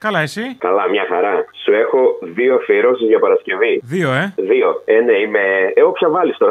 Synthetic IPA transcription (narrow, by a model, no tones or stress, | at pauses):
kɐlɐesikɐlɐmɲɐxɐɾɐsue̞xo̞ðioɐfiɾo̞sizʝɐpɐɾɐsce̞viðioeðio̞e̞nɐimeeopçɐvɐlist̪o̞ɾɐ